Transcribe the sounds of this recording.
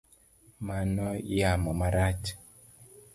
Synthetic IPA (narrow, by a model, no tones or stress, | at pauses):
manɔjamɔmaɾat͡ʃ